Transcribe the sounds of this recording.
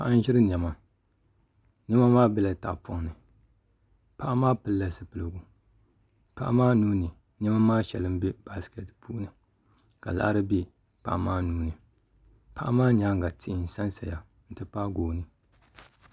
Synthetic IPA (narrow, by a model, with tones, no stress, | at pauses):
pa˦ʔa˦n˦ʒɪ˦ɾɨ˦ɲ˨ɛ˨ma˨ | ɲɛ˦ma˦maː˦bɛ˦la˨ta̰˨pʊ˦ŋnɨ˨ | pa˦ʔa˦maː˦pɨ˦lːa˨sɨ˨pɨ˨lɨ˨ɡu˨ | pa̰˦ʔa˦maː˦nuː˦nɨ˨ | ɲɛ˦ma˦maː˦ʃɛ̰˨lɨ˦m˦be˦b̥a˦skɛ˨tpu˦ʔnɨ˨ | ka̰˨la̰˦ʔɾɨ˦be˦ | pa̰˦˨ʔa˨maː˦nuː˦nɨ˨ | pa˦ʔa˦maː˦ɲ˨a˦ŋ˨ɡa˨tɪ˦ʔn˨sa˦nsa˨ja˨ | n̩˨tɨ˦pa˦ɡoː˨nɨ˨